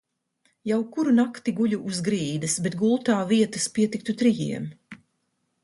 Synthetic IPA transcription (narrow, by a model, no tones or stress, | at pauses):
jawkuɾunakt̪iɡuʎʲuʔuzɡɾiːd̪ɨsbet̪ɡulˠt̪aːviɛt̪ɐspiɛt̪ik̚t̪ut̪ɾijḭɛm